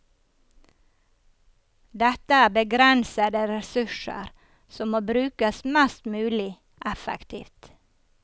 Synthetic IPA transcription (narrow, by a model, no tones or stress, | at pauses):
d̪ɛt̪əæːbəɡɾɛnsəd̪əɾɛsʉʃə̰ɾ | sɔmmoːbɾʉːkəsmɛst̪mʉːlɪ | ʔɛfə̰kt̪ʰḭːft̪